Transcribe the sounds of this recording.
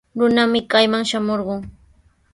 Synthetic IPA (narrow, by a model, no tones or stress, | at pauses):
ɾʊnamɪkajmaŋʃamoɾɢʊŋ